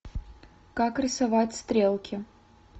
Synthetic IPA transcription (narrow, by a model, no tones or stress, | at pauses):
kakɾʲɪsavatʲst̪ɾʲelˠkʲɪ